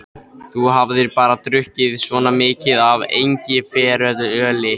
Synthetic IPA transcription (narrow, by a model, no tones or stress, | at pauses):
θuɦavðɪɾpaːɾat̪ɾʏhcɪðsvɔːnamɪːcɪðavḛjɲcɪfɛːɾœðʏœːlɪ